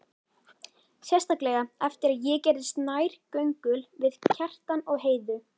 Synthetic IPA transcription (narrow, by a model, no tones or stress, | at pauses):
sjɛst̪aklɛɣaɛft̪ɪɾaðjɛcɛɾðɪst̪naːjɾ̥cœɥŋkʏlvɪðcʰɛr̥t̪anɔɣɦeːjðʏ